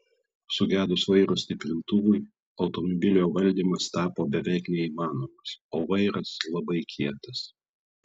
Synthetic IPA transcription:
sʊɡʲæːd̪ʊsʋɐɪɾʊsʲt̪ʲɪpʲɾʲɪnt̪ʊʋʊɪ | ɒʊt̪ɔmɔbʲɪlʲɪoːʋɐlʲd̪ʲiːmɐst̪ɑːpoːbʲɛʋʲæɪknʲɛiːmɑːnoːmɐsoːʋɐɪɾɐslˠɐbɐɪkʲʰiɛt̪ɐs

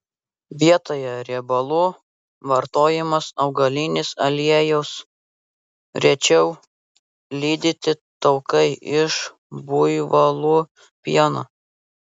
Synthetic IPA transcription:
ʋʲiɛt̪oːjɛɾʲɛbɐlˠʊ | ʋɐɾt̪oːjɪmɐsɒʊɡɐlʲinʲɪsɐlʲiɛjɛʊs | ɾʲɛt͡ʃʲɛʊ | lʲiːd̪ʲɪt̪ʲɪt̪ɒʊkɐɪɪʃ | bʊjʋɐlˠuː | pʲiɛno̰ː

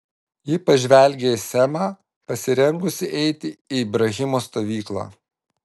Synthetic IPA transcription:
jɪpɐʒʲʋʲɛˑlʲɡʲesʲɛmɑː | pɐsʲɪɾʲɛŋɡʊsʲɪʔɛɪt̪ʲɪiːbɾɐɣʲɪmoːst̪oːʋʲiːklˠa̰ː

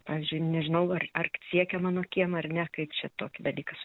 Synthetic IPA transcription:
pɑːʋʲiɪːzʲd͡ʒʲʊɪnʲɛʒʲɪnɐʊɐrɐrt͡ssʲiɛkʲɛmɑːnoːkʲiɛmɐrnʲɛkɐɪpt͡ʃʲɛt̪oːkʲɪd̪ɐlʲiːkɐs

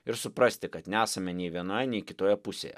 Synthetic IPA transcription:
ɪɾsʊpɾɐsʲt̪ʲɪkɐt̪nʲæːsɐmʲɛnʲɛɪʋʲiɛnoːjɛnʲɛɪkʲɪt̪oːjɛpʊsʲḛːjɛ̰

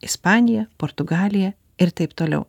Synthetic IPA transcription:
ɪspɑːnʲɪjɛpoɾt̪ʊɡɑːlʲɪjɛ | ɪɾt̪ɐɪpt̪oːlʲɛ̰ʊ

